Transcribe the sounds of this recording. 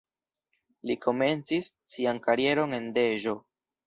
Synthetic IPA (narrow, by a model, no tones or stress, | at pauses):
liko̞me̞nt͡sisːiankaɾie̞ɾo̞ne̞nde̞ʒo̞